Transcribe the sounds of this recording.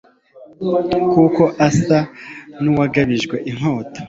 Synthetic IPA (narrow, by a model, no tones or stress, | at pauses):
kuko̞ʔasanuwaɡaβiʒɡwe̞ʔiŋ̥ho̞ːto̥